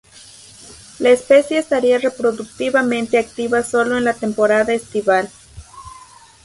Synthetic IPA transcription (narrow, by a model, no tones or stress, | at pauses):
laespe̞sjeːst̪aɾiarepɾo̞ðuk̚t̪iβamẽ̞nt̪eakt̪iβaso̞lo̞enlat̪empo̞ɾaðaest̪iβal